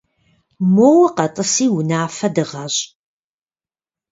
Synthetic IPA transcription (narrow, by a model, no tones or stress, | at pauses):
mowɐqɐtʼɨsiːwʊnaːfɐdɨʁɐɕʼ